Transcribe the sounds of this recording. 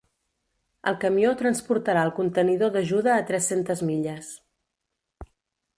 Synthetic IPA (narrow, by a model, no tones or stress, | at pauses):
ə̰lˠkəmiot̪ɾənspuɾt̪əɾaəlˠkunt̪əniðoðəʒuðəːt̪ɾɛsent̪əzmiʎəs